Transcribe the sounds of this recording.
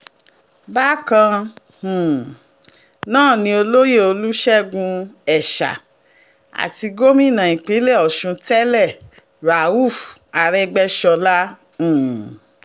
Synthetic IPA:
ba˦kã˧˨ | nãː˦˨nĩ˧o˧lo˦je˦˨o˧lu˦ʃɛ˦ɡũ˧ɛ˨ʃa̰˨ | a̰˨ti˧ɡo˦mĩ˦˨nã˨ĩ˨k͡pe˨˦lɛ˦˨ɔ˨ʃũ˧tɛ˦lɛ˦˨ | ɾa˨u˦˨fa˨ɾɛ˧ɡ͡bɛ˦ʃɔ˧lã˦˨

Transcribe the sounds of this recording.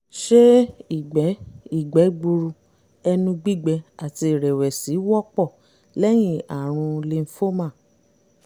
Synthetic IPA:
ʃe˦i˨ɡ͡bɛ˨˦i˦˨ɡ͡bɛ˨˦ɡ͡bu˧ɾu˧ | ɛ˧nũ˧ɡ͡bi˦˨ɡ͡bɛ˧a˨ti˧˨ɾɛ˨wɛ˨si˨˦wɔ˦k͡pɔ˦˨ | lɛ˦j̃ĩ˦˨a˨ɾ̃ũ˧le˧n̩˦fo˦mã˦˨

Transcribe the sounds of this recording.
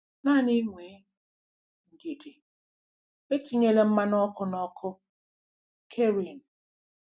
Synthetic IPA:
na˦˨ni˦ŋʷeː˨˦ | ŋ̩˨ɡe˨de˨ | be˦t͡ʃi˦ɲe˦le˦m̩˦ma˦nɔ˦kʊ˦nɔ˦kʰʊ˦ | kʰe˦ɾi˨n˨

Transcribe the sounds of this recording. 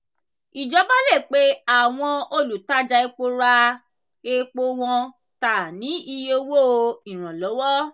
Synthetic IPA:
i˨d͡ʒɔ˨˦ba˦le˦˨k͡pe˨˦a˦˨w̃ɔ̃˧o˧lu˨ta˦d͡ʒa˧e˧k͡po˧ɾa˧ | e˧k͡po˧w̃ɔ̃˧ | ta˨nĩ˨˦i˧jo˧wo˦˧i˨ɾ̃ã˨lɔ˨˦wɔ˦

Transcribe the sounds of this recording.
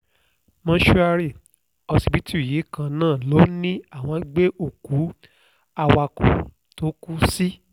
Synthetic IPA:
mã˧˦ʃu˧a˧ɾi˦˨ | ɔ˧si˧˨bi˨˦ti˦u˦˨je˨˦kã˧nãː˦˨lo˨˦nĩ˦a˦˨w̃ɔ̃˧˦ɡ͡be˦o˦˨ku˨˦ | a˧wa˧kṵ̃˨ | to˨˦ku˦si˦

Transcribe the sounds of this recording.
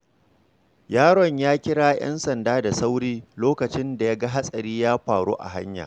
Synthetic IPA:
jaː˦ɽɔ˨ɲjaː˦kʲɪ˦ɽaː˦jɐ̰˦nsɐ˨ndaː˦da˨sa˦wɽiː˦loː˦kɐ˨t͡ʃɪ˦nda˨ja˦ɡa˦ɦa˦sʼɐ˨ɾiː˦jaː˦ɸaː˨ɽṵː˦ʔa̰˨ɦa˦ɲja̰ː˨

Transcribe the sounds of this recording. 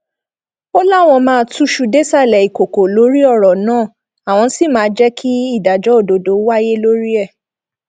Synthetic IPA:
o˦la˦˨w̃ɔ̃˧mãː˦˧˦tu˦ʃu˧de˦sa˦˨lɛ˨i˨ko˨ko˨lo˨˦ɾi˦ɔ˦˨ɾɔ˨nãː˦˨ | a˨w̃ɔ̃˧˦si˦˨mãː˨˦˧d͡ʒɛ˦kʰi˦i˦˨da˨d͡ʒɔ˨˦o˦˨do˨do˨˦wa˦je˦lo˦ɾi˦ɛ˦˨

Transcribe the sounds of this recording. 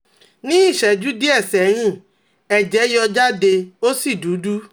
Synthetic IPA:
nĩ˦i˦˨ʃɛ˨d͡ʒu˦di˦ɛ˦˨sɛ˨˦ɾ̃ĩ˦˨ | ɛ˨d͡ʒɛ˨˦jɔ˧d͡ʒa˦de˧o˦si˦˨du˨˦du˦

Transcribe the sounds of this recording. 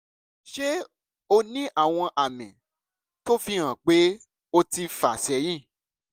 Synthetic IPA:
ʃe˦ | o˧nĩ˦ʔa˦˨w̃ɔ̃˧ʔa˨mĩ˨ | to˦fĩ˧ã˨k͡pe˨˦ | o˧ti˧fa˨sɛ˨˦j̃ĩ˦˨

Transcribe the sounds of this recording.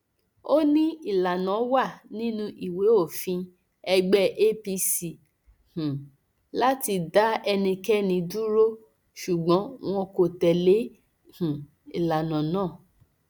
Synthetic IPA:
o˦nĩ˦i˦˨la˨nã˨˦wa˦˨nĩ˦nũ˦ʔi˨we˨˦o˦˨fĩ˧ | ɛ˧ɡ͡bɛ˦ʔe˦pi˧si˨ | h̩˨ | la˦ti˧da˦ɛ˧nĩ˧kɛ˦nĩ˧du˦ɾo˦ | ʃu˨ɡ͡bɔ̃˨˦w̃ɔ̃˧ko˨tɛ˨le˨˦ | h̩˨ | ḭ˨la˨nã˨nãː˦˨

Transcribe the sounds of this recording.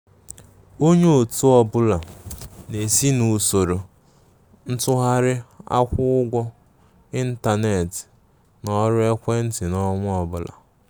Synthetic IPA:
o˦ɲe˦o˨tu˦ɔ˨bʊ˦la˨ne˨si˦nu˨so˨ɾo˨ | n̩˦tʊ˦ɦa˦ɾɪ˦a̰˦kʷʊ˦ʊ˦ɡʷɔ˦ | i˦n̩˦ta˨ne˨tɪ̥˨ | nɔ˦ɾe˦kʷe˦n̩˦tɪ˨nɔ˦ŋʷʊ˦ɔ˨bʊ˦la̰˨

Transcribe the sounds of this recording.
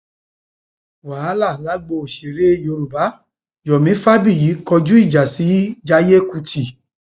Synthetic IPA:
wa˨a˦la˦˨la˨˦ɡ͡bo˧˨ʃe˨ɾe˦jo˧ɾu˨ba˨˦ | jɔ˨mĩ˨˦fa˦bi˦˨ji˨˦kɔ˧d͡ʒu˦i˦˨d͡ʒa˨si˨˦d͡ʒa˧˦je˦ku˧tʰi˨

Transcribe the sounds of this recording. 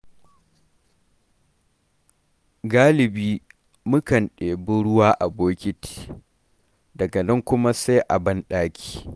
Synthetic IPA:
ɡaː˦lɪ˨biː˦ | mʊ˦kɐ˨nɗeː˨bʊ˦ɽʊ˦waː˦ʔa˨boː˦kʲɪ˦ti̥ː˨ | dɐ˨ɡɐ˨nɐ˦ŋkʷʊ˦ma˦sa˦jʔa˨bɐ˦nɗaː˦kʲʰi̥ː˦˨

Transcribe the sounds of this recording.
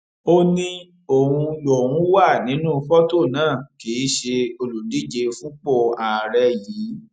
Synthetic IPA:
o˧nĩ˧ | o˨hũ˧lo˨wũ˦wa˦˨nĩ˨˦nũː˦˧fɔ˦to˦˨nãː˦˨ke˨˦ʃe˧o˧lu˨di˦d͡ʒe˧fũ˦k͡po˦˨a˨ɾɛ˧jiː˨˦

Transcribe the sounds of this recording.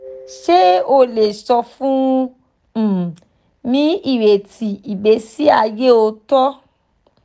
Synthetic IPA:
ʃe˦o˧le˨sɔ˧fũ˦˨ | nĩ˨˦i˦˨we˨ti˨i˨be˨˦si˦a˧je˦o˧tɔ˦

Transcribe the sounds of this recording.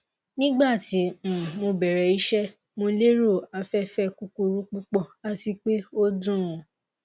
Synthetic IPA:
nĩ˦ɡ͡ba˦˨tĩ˨˦˨mo˧bɛ˨ɾɛ˨i˦ʃɛ˦ | mõ˧le˦ɾo˦˨a˧fɛ˦fɛ˦ku˧ku˧ɾũ˦k͡pu˦k͡pɔ˦˨a˦ti˧k͡pe˦o˦dũ˦ũ˨

